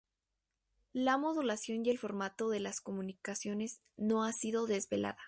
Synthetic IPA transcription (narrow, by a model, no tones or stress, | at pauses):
lamo̞ðulasjo̞nje̞lfo̞ɾmat̪o̞ðe̞lasko̞mũnikasjo̞ne̞z | no̞asiðo̞ðe̞zβe̞lʔa̰ða